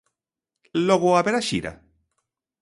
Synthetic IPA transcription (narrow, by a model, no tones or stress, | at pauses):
loɣoaβeɾaʃiɾa̰